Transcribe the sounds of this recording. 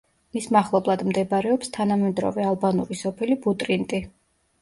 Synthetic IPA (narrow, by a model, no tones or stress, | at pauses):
mismaχlˠɔblˠad̪md̪ɛbɾɛɔpst̪ʰanamɛd̪ɾɔ̰vɛalˠbanuɾisɔpʰɛlibut̪ʼɾint̪ʼi